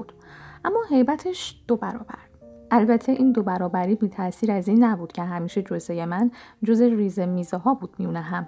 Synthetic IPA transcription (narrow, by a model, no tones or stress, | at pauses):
d̪̥ʔæmːɒːɦe̞jbæt̪ʰeʃd̪̥obæɾɒ̰ːbæ̰ɾʔælbæt̪ʰe̞ʔiːnd̪o̞bæɾɒːbæɾiːbiːt̪ʰæsiːɾæziːnːæbuːd̪̥cʰe̞ɦæmiːʃed͡ʒozeje̞mænd͡ʒozeriːzemiːzeɦɒːbuːd̪̥miunæɦæm